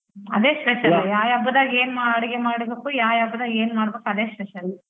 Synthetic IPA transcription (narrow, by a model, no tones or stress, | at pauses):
ɐ̰d̪eːsɾɛt͡ʃɐjaːjaːbɐd̪aːɡeːnmaɐɽiɡemaːɽbeːkujaːjaːbːɐd̪aːɡeːnmaːɽbeːkuɐd̪eːsɾɛt͡ʃɐɾi